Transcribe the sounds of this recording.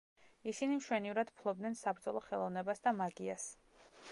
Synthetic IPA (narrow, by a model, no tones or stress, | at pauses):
isinimʃwɛnivɾad̪pʰlˠɔbd̪nɛnsabɾd̪zɔlˠɔχɛlˠɔvnɛbasd̪amaɡias